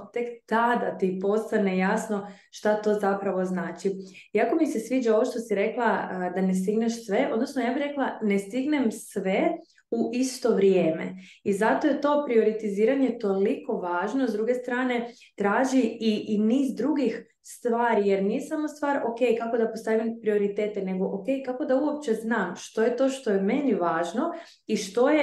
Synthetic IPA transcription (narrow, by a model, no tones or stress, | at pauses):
t̪e̞kt̪ad̪at̪ipo̞st̪ane̞jasno̞ | ʃt̪at̪o̞ːzapɾaʋo̞znaːt͡ʃi | iako̞mise̞sʋiːd͡ʒao̞ʋoʃt̪o̞siɾe̞klˠad̪anest̪iɡneʃsʋe̞ʔo̞d̪nosnojaːbiçɾeklˠanest̪iɡne̞msʋe̞ | uʔist̪o̞ʋɾjeːme̞̰ | izat̪ojet̪o̞ːpɾio̞ɾit̪iziːɾaɲet̪o̞liko̞ʋaːʒnozd̪ɾuɡe̞st̪ɾaːne̞ | t̪ɾaːʒiiʔiniːzd̪ɾuɡix | st̪ʋaːɾije̞ɾnijesamo̞st̪ʋaːɾo̞ke̞jkakod̪apost̪aʋimpɾio̞ɾit̪e̞ːt̪ene̞ɡo̞ʔoke̞jkako̞d̪auop̚t͡ʃe̞znaːmʃt̪o̞jet̪o̞ːʃt̪o̞jemeɲeʋaːʒno̞ | iʃt̪o̞je